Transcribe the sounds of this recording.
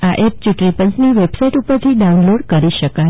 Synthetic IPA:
aʔep̚t͡ʃuʈɳipə̃ɲsniʋebsaiʈupəɾt̪ʰiɖaunloɽkəɾiʃəka

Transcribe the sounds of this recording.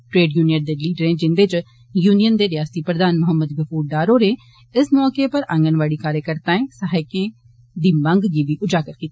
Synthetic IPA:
ʈɾeːɖjuːniəʈ̚d̪eːliːɖəɾẽːd͡ʒɪnd̪eːt͡ʃ | juːnijənd̪eːɾɪjaːst̪iːpɾəd̪aːnmʊɦəmːəd̪ɡəpʰuːɾɖaːɾoːɾeː | ɪsmɔːkeːpəɾʔə̃ŋɡənʋaːɽiːkaːɾjəkəɾt̪ãːẽːsəɦaːɪkẽː | d̪iːmə̃ŋɡɡiːʋiːʔʊd͡ʒaːkəɾkiːt̪a

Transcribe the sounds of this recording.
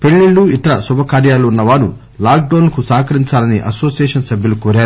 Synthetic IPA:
pe̞ɭːiɭːuit̪ɐɾɐsubʱɐkaːɾjaːluunːɐʋaːɾu | laːk̚ɖoːnlɐkusaːkɐɾiɲt͡ʃaːlɐniʔɐso̞ːsijeːʂɐnsɐbʱjɐlukoːɾaːɾuu

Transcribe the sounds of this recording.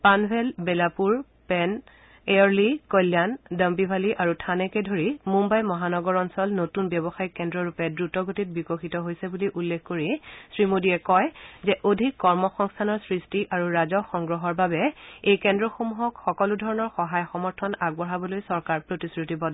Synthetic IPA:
panbʱɛlbelapuɹ | pɛn | eɔɹlikɔlːjandəmbibʱaliʔaɹutʰanɛkɛdʱoɹimumbajmɔɦanɔɡɔɹɔnsɔlnotunbjɔbɔxajkɛndɹɔɹupɛdɹutɔɡotit̚bikɔxitɔɦojsɛbuliʔulːekʰkoɹisɹimodiɛkɔjzɛʔodʱikːɔɹmɔxɔŋstʰanɔɹsɹistiʔaɹuɹazɔxɔŋɡɹɔɦɔɹbabɛejkɛndɹɔxomuɦɔkxɔkɔludʱɔɹɔnɔɹxɔɦajxɔmɔɹtʰɔnaɡ̚bɔɹabɔlojsɔɹkaɹpɹotisɹitibɔd

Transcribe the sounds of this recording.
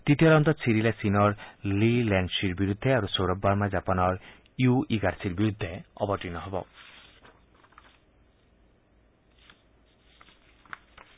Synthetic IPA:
t̪it̪iɔɾɔnt̪ɔt͡ʃʰiɾilasinɔɾlilansiɾbiɾud̪ʱːeaɾusoɾɔbːaɾmad͡ʒapanɔɾ | juiɡaɾsiɾbiɾud̪ʱːeɔ̰bɔʈinɔɦebɔ̰

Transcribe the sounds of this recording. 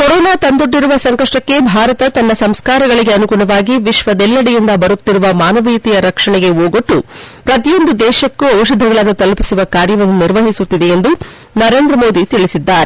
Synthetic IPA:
kɔɾɔːnaːt̪ɐnd̪oɖːiɾuʋɐsɐŋkɐʂʈɐkːebʱaːɾɐt̪ɐt̪ɐnːɐsɐmskaːɾɐɡɐɭiɡe̞ɐnukuːɭɐʋaːɡiʋiʃʋɐd̪ɛlːɐɽɛjind̪ɐbɐɾut̪ːiɾuʋɐmaːnɐʋijt̪ijɐɾɐkʂɐɳɛɡe̞oːɡoʈːupɾɐt̪ijo̞nd̪ud̪ɛːʃɐkːuɐwʃɐd̪ʱːɐɡɐɭɐnːut̪ɐlpisuʋɐkaːɾjɐʋɐnːuniɾʋɐɦisut̪ːid̪eend̪u | nɐɾe̞ːnd̪ɾɐmo̞ːd̪it̪iɭisid̪ːaːɾe

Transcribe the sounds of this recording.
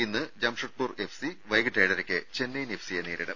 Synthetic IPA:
inːɨd͡ʑɐmʂɐʈ̚purefsiʋɐjɡɨʈːejɽɐɾokʲːɨt͡ɕe̞nːɐjnefʰsijeniːɽiɽɐ̰m

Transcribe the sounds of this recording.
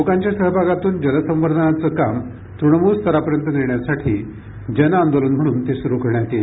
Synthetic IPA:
mokaɲt͡ɕjasəɦbʱaɡat̪uːnd͡ʑələsə̃mʋəɾd̪ʱənat͡səkam | t̪ɾuɳəmust̪ʰəɾapəɾjənt̪əniɳjasaʈʰiː | d͡ʑənaand̪olənm̤əɽ̃uːnt̪esuɾukəɭɳjat̪e

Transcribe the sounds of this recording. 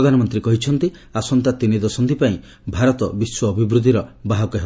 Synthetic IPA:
ɔd̪ʱanɔmɔnt̪ɾikɔɦit͡ʃʰɔnt̪i | asɔnt̪at̪inid̪ɔsɔnt̪ipaĩ | bʱaɾɔt̪ɔbiswɔːbʱibɾud̪ʱːiɾɔbaɦɔkɔɦe

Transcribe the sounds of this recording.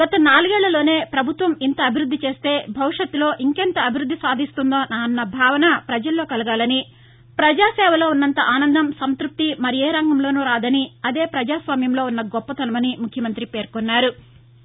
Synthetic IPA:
ɡ̥ɐt̪ɐnaːluɡɛːɭːɐlo̞ːne̞ːpɾɐbʱut̪ʋɐmint̪ɐːbʱiɾud̪ʱːit͡ʃe̞ːst̪e̞ːbʱɐʋiʂɐt̪ːulo̞ːʔiŋkɛnt̪ɐɐbʱiɾud̪ːisaːd̪ʱist̪und̪o̞ːnaːnːɐbʱaːʋɐnɐpɾɐd͡ʒɐlːo̞ːkɐlɐɡaːlɐni | pɾɐd͡ʒaːsɛːʋɐlo̞ːunːɐnt̪ɐʔaːnɐnd̪ɐmsɐnt̪ɾup̚t̪imɐɾieːɾɐŋɡɐmlo̞ːnuːɾaːd̪ɐniɐd̪e̞ːpɾɐd͡ʒaːsʋaːmjɐmlo̞ːunːɐɡɔpːɐt̪ɐnɐmɐnimukʰjɐmɐnt̪ɾipe̞ːɾkɔnːaːɾu

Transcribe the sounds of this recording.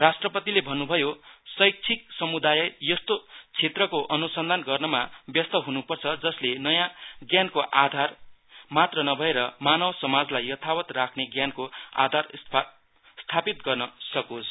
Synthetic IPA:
rasʈrʌpʌt̪ilebʱʌnːubʱʌjosʌjk̚t͡sʰik̚sʌmud̪ajʌjʌst̪ot͡sʰet̪rʌkoʔʌnusʌnd̪ʱanɡʌrnʌmabjʌst̪ʌɦunupʌrt͡sʰʌd͡zʌslenʌjãɡjankoʔad̪ʱar | mat̪rʌnʌbʱʌeɾʌmanʌwsʌmad͡zlajːʌt̪ʰawʌt̪rakʰneɡjankoa̰d̪ʱar | st̪ʰapit̪ɡʌrnʌsʌkosʰ

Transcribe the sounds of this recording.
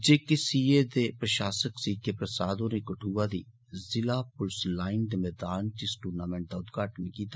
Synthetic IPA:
d͡ʒeːkɪsiːeːd̪eːpɾəʃaːsəksiːkʰeːpɾəsaːd̪õːneːkəʈʰuːaːd̪iː | zɪlaːpʊlslaːɪnd̪emɛːd̪aːnt̪ɪsʈuːɾnaːmɛ̃ːɳʈ̚d̪aʊd̪ɡaːʈnikiːt̪a

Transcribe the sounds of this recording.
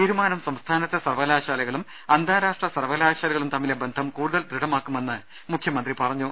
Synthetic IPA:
t̪iːɾumaːnɐmsɐmst̪ʰaːnɐt̪ːesɐrʋɐlaːɕaːlɐɣɐɭum | ɐnd̪ʱaːɾaːʂʈrɐsɐrʋɐlaːɕaːlɐɣɐɭumt̪ɐmːilebe̞nd̪ʱɐmkuːɽuðɐld̪ɾiɽɐmaːkːume̞nːɨ | mukʰjɐmɐnd̪ripɐrɐɲːu

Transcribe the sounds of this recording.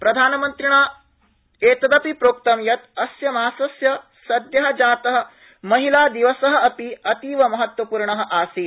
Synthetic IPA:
pɾɐd̪ʱaːnɐmɐnt̪ɾiɳaː | eːt̪ɐd̪ɐpipɾoːk̚t̪ɐmjɐt̪ɐsjɐmaːsɐsjɐ | sɐd̪ʱjɐɦɐ̆d͡ʒaːt̪ɐɦɐ̆ | mɐɦilaːd̪iʋɐsɐɦɐ̆ɐpiɐt̪iːʋɐmɐɦɐt̪wɐpuːɾɳɐɦɐ̆ʔaːsi

